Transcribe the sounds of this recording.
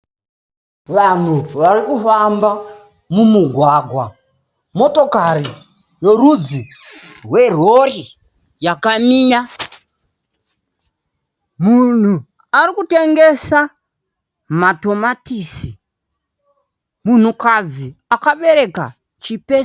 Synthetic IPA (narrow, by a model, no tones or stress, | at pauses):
ʋan̤uʋarikufamba | mumuɡʱwaːɡʱwa | mo̞tokari | jorud͡zirwer̤ori | jakamiːja | mun̤u | aɾikute̞ŋɡe̞sa | mato̞matiːsi | mun̤ukad͡ziakaɓe̞ɾe̞ka̰ | t͡ʃipe